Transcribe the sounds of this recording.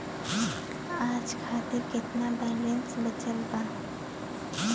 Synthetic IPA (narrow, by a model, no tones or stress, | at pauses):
aːd͡ʒkʰat̪ɪɾkɪt̪nabɛːlensbət͡ʃəlban